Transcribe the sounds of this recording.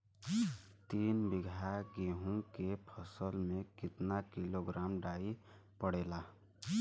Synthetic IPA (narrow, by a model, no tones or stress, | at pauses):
t̪iːnbɪɡʱaɡeɦũkepʰəsəlmẽkɪt̪nakiloɡɾaːmɖaːipəɽeːla